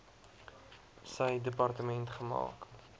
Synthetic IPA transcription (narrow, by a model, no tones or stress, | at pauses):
səjdəpɐrtəmɛntχəmɑ̰ːk